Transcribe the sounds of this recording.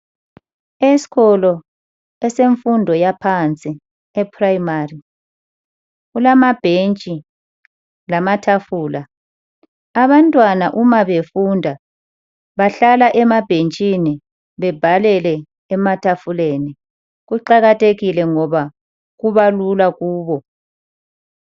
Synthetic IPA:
esi̥ɣɔlɔ | ɛseɱfundʱɔjapʰant͡sʼi | ɛpʰraimari | ɣulamab̥ʱent͡ʃʼi | lamatʰafuːla | aβantʼwanaʔumaβefundʱa | βaɬalaʔɛmab̥ʱent͡ʃʼini | βɛb̥ʱalɛlɛ | ɛmatʰafuleni | ɣuǃaɣatʰeɣilɛŋɔβa | ɣuβalulaɣuːβɔ

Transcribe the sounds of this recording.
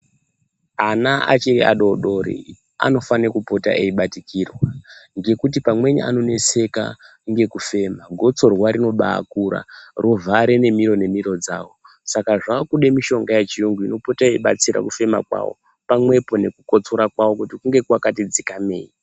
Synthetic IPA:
anaa̰t͡ʃeia̰ɗo̞ɗo̞ɾḭ | a̰no̞fanekupo̞ta̰ʔe̞iɓatikirwaŋɡe̞kut̬ipamwe̞ɲḛa̰no̞ne̞se̞ka̰ | ŋɡe̞kufe̞maɡʱo̞t͡so̞rwaɾino̞ɓa̰ːkuɾa̰rʔovʱaɾene̞miɾo̞ne̞miɾo̞d͡za̰ːwo̞ | sakaʐakuɗe̞miʃo̞ŋɡajet͡ʃijoŋɡuino̞po̞taeiɓa̰t͡siɾa̰kufe̞ma̰kwa̰wo̰ | pamwe̞po̞ne̞kuko̞t͡soɾakwawo̞kutikuŋɡekwakatid͡zikame̞̰ːi

